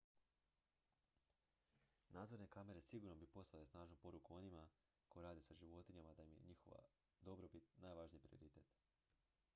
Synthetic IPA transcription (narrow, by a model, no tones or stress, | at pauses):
naːd̪zo̞ɾne̞kame̞ɾe̞siɡuɾnobipo̞sˠalesnaːʒnupo̞ɾukuo̞nima | ko̞jeɾaːd̪esaʒiʋo̞t̪iɲamad̪aimje̞̰ɲixo̰ʋa̰ | d̪o̞bɾopit̪naːjʋaʒnijipɾḭo̞̰ɾit̪et̪